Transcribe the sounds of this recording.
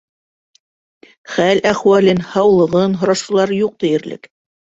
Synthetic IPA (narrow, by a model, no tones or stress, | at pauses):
χælæχwælɘnhɑwlˠɤ̆ʁɤnɦŏɾɑʃŭlˠɑɾjuq̚t̪ɘ̆jɘ̆ɾlɘ̰k